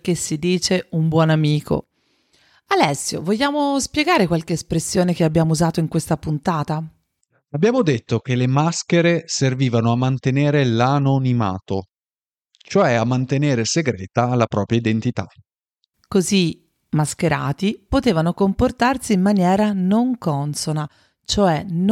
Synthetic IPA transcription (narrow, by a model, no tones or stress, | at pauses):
k̟esːid̪iːt͡ʃeumbwɔnamiːkʰo̰ | alɛsːjo̰voʎːaːmospjɛɡaːɾekwalkeːspɾesːjoːnekeabːjaːmouzaːt̪oiŋkwest̪apunt̪aːt̪a | abːjaːmod̪et̪ːok̟elemaskeɾeserviːvanoamːant̪eneːɾelanonima̰ːt̪o | t͡ʃoɛamːant̪eneːɾeseɡɾɛːt̪alapɾɔːpɾjaid̪ent̪it̪a̰ | kozi | mːaskeɾa̰ːt̪ipot̪eːvanokomport̪arsiːmːanjɛːɾanoŋkɔnsona | t͡ʃoɛn